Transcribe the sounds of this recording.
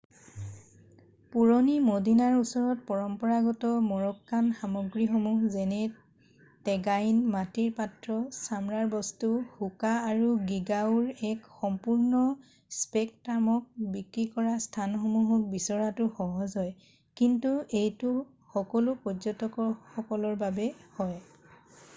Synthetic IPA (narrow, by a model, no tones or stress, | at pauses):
puɹɔnimodinaɹusɔɹɔt̚pɔɹɔmpɔɹaɡɔtɔmɔɹɔkːanxamɔɡɹixɔmuxzɛnɛ | tɛɡajnmatiɹpatɹɔsamɹaɹbɔstuhukaːɹuɡiɡauɹɛkxɔmpuɹnɔ | spɛk̚tamɔk̚bikɹikɔɹastʰanxɔmuɦɔk̚bisɔɹatʊxɔɦɔzɔj | kintuejtʊ | xɔkɔlʊpɔzɔtɔkɔxɔkɔlɔɹbabɛhɔj